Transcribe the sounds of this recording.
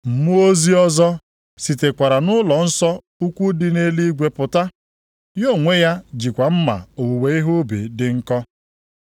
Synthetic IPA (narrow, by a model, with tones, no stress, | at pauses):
m̩˨mu˦o˦zi˦ɔ˦zɔ˦ | si˨te˨kʷa˨ɾa˨nʊ˦lɔ˨n̩˦sɔ˦ | u˦kʷu˦dɪ˦ne˦li˦ɡʷe˦pʊ˨ta˦ | jo˦˨ŋʷe˦ja˦d͡ʒi˨kʷa˨m̩˦ma̰˨o˨wu˨we˨˦i˦ɦu˦bḭ˨dɪ˨ŋ̩˦kɔ˦